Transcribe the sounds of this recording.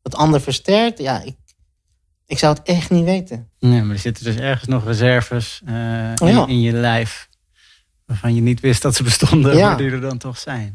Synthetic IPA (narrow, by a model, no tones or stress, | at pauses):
d̥ɑtɑndəɹfəɹstɛɹk̚tja̰ɪk̚ | ɪksʌwətɛχtniʋejtənnemaːdəz̥ɪtədøsɛɹχənsnɔχrəzɛɹvəs | aɪnjəlɛjf | ʋaːɹvɑnjənitʋɪstdɔtsəbəstɔndəaadidəɹdɑntɔχsɛjn